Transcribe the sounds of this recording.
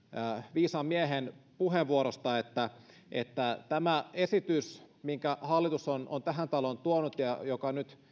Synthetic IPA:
ʋiːsɑmmieɦenpuheʋʋuoɾost̪ɑet̪ːæ | ʔḛt̪ːæt̪æmæesit̪ysmiŋkæhɑlːit̪usono̰nt̪æɦænt̪ɑlont̪uonut̪jɑjokɑnyt̪

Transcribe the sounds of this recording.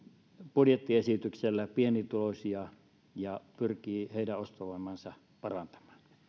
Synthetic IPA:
pudjet̪ːiesit̪ykselːæpienit̪ulosʲiɑ | jɑpyrkiːheˑidæost̪oʋoˑmɑnsɑ | pɑrɑnt̪ɑ̥mɑ̥ːn

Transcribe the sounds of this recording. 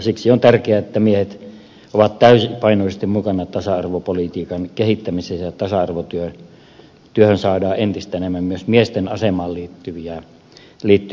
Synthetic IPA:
siksiont̪ærkeæet̪ːæmiehet̪ | oʋɑt̪t̪æysipɑinoˑisest̪immukɑnɑt̪ɑsɑɑrʋopolit̪iːkɑnkehit̪ːæmisesɑt̪ɑsɑɑrʋot̪yø | t̪yøhønsɑːdɑːʔent̪ist̪æenemːæmmyøsmiest̪enɑsemɑːlliːt̪ːyʋiæ | liːt̪ːy

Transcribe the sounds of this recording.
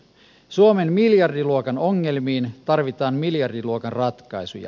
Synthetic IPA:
suome̞nmiljɑrdiluokɑno̞ŋːe̞lmiːnt̪ɑrʋit̪ɑːnmiljɑrdiluokɑnrɑt̪kɑjsujɑ̰

